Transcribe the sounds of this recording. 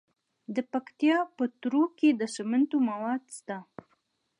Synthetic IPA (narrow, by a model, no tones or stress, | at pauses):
d̪əpakt̪ijɑpət̪ɾoked̪əʃəmant̪omawɑd̪st̪a